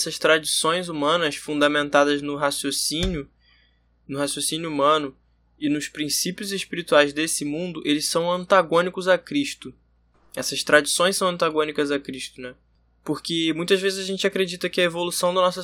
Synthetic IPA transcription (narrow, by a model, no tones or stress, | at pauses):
sɐʃt̪ɾad͡ʒisõj̃zumɐ̃nɐsfũnd̪amẽnt̪ad̪ɐznʊɦasjosĩnjʊ | nʊhasjosinjuumɐ̃nʊ | ɪnʊspɾĩsipijʊzeʃpiɾit̪uajzd̪esɪmũnd̪ʊʔelɪssɐ̃w̃ɐ̃nt̪aɡõnikʊzakɾiʃt̪ʊ | ɛsɐʃt̪ɾad͡ʒisõj̃sɐ̃w̃ɐ̃nt̪aɡõnikɐzakɾiʃt̪ʊnɛ | poɾkɪmũj̃t̪ɐzvezɪzaʒẽnt͡ʃakɾed͡ʒit̪ɐkɪɐevolusɐ̃w̃d̪ɐnɔsɐ